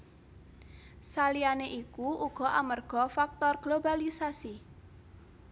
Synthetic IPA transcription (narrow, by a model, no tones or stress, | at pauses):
salianeʔikuuɡ̥ɔ̤ʔamərɡ̥ɔ̤fak̚t̪ɔrɡ̥lobalisasi